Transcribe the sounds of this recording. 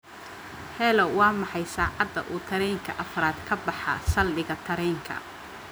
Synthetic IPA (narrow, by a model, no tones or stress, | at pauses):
hɛlɔwɑːmɑħɑjsaːʕɑd̪ːɐ̰ʔuːt̪ʰɐɾɛːŋkʰɐʔɐfɐɾaːd̪kʰɐbɑħɑ̰sɐlbɪɣɐt̪ʰɐɾɛːŋkʰɐ̰